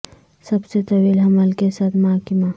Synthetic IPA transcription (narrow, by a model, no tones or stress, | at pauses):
sɐbset̪ɐwiːlɦɐməlkesaːt̪ʰmakɪma